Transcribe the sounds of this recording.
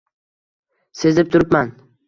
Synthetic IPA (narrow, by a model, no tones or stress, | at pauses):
se̞zɪp̚t̪ʰʊɾɪpman